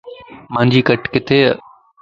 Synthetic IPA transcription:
mãːɲd͡ʑiːkəʈkɪt̪ʰeː

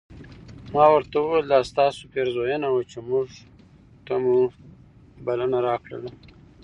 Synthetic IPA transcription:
mɑwəɾt̪awuweld̪ɑst̪ɑsopeɾzojənawat͡ʃemʊʐ | t̪amu | balanaɾɑkɽa̰la

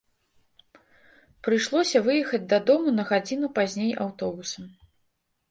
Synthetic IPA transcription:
pɾɨjʂlˠɔsʲɐvɨjɛxɐd͡zʲd̪ɐd̪ɔmunɐɣad͡zʲin̪upazʲnʲejʔawt̪ɔbusɐm

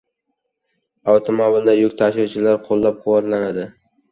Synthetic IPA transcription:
aft̪ʰomobɪld̪ajʊkʲt̪ʰaʃɪt͡ʃʰɪlaɾqʰolˠːap̚qʰʊwɒt̪lanad̪ɪ

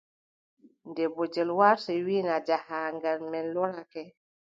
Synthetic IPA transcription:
ndɛbɔd͡ʒɛlwaɾsɛwiːnad͡ʒahaŋɡalmɛnlɔɾakɛ

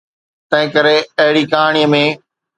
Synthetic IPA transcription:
t̪ɐ̃ɦɪ̃kəɾeɐɦɪɽiːkaːɳ̃ijəmẽː

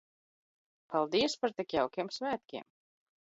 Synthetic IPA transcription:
palˠd̪iɛspaɾt̪ɛkjawkʲiɛmsvæːt̪̚kʲiɛm

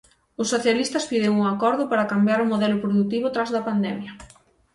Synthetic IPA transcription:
ʊsːoθjalist̪ɐspiðɪŋuŋakɔɾðʊpaɾɐkambjaɾʊmoðɛlʊpɾoðut̪iβʊt̪ɾazðɐpand̪ɛmjɐ

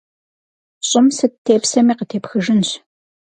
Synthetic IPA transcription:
ɕʼɪmsɨtʰːeːpsɐmiːqətʰeːpxɨʒɨnɕ

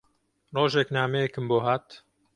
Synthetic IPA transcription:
roːʒɛknaːmeekɨmboːɦaːt̪

